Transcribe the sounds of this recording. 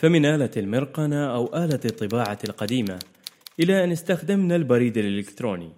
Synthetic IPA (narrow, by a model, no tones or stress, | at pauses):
famɪnʔaːlalmɪɾqɑnaʔawʔaːlat̪ˤːɨbaːʕalqɑd̪iːma | ʔɪlaʔanɪst̪axd̪ɪmnalbɑɾiːd̪alʔɪlɪkt̪ɾoːnḭ